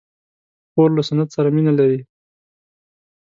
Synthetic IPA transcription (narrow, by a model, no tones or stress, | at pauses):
xoɾlasanat̪saɾaminalaɾi